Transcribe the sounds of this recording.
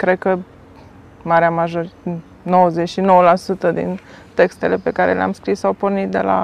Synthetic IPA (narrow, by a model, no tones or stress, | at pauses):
kɾe̞d̪̚kə | maɾeamaʒoɾ | no̞wəzet͡ʃʃino̞wəlasut̪əd̪ḭnt̪e̞kst̪e̞le̞pe̞kaɾe̞̰lea̰mskɾisːawpornit̪̚d̪e̞̰la̰